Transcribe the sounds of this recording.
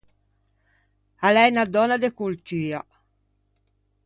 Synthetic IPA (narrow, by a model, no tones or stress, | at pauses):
alɛnad̪ɔnad̪ekoltiːa